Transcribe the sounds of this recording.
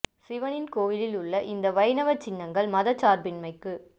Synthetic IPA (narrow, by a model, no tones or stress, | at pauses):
sɪʋɐnɪnkoːjɪlɪlʊɭːɐʔɪnd̪ɐʋɐɪnɐʋɐt͡ʃːɪnːɐŋɡɐɭmɐðɐt͡ʃːaːɾbɪnmɐɪkːɯ